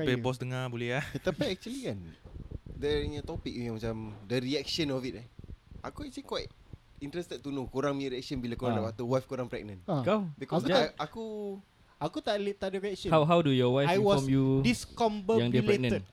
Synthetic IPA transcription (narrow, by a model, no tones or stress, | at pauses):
ebɔs̬dəŋãbolɛhat̪apiɛk̚t͡ʃuəlikan | dɛinət̪ɔpik̚jaŋmat͡ʃamdəɾiɛk̚ʃənɔfit̚aʔakuɛk̚t͡ʃulikwajt | int̪ɾɛst̪ɛt̚t̪ːunukuɾaŋmiɾiɛk̚sənbilakuɾaŋdapat̪uwajfkuɾaŋpɾɛ̰k̚nə̃nãkabikɔakud͡ʒ̪aaku | akut̪aʔlt̪aʔdəɾiɛk̚sə̃hawɦawdujɔwajajwɔɔmjudiskɔmbəjaŋdilpɾɛek̚nə̃ə